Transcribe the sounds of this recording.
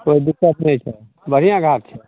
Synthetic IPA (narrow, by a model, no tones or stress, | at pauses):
koːid̪ɪkːət̪nəɦĩt͡ʃʰɛ | bəɾ̤ijãɡʱaːɾt͡ʃʰɛ